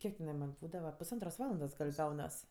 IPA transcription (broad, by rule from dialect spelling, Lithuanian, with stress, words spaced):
ˈkʲiɛk tʲɛˈnɐɪ mɐnʲ ˈbuːdɐʋɐ pʊsˈɐntroːs ˈʋɑːlˠɐndoːs ɡɐlʲ ˈɡɐʊnɐs